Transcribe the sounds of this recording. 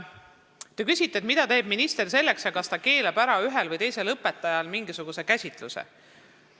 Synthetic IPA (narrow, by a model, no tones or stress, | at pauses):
t̪ekysʲit̪ˑːet̪mid̪̥ɑt̪e̞ːb̥minist̪e̞rse̞lːeksjɑkɑst̪ɑke̞ːlebæɾɑyɦelvɤjt̪e̞jse̞lɤpːˑe̞t̪ˑːɑjɑlmiŋɡisuɡ̥use̞kæsʲit̪ˑlusḛ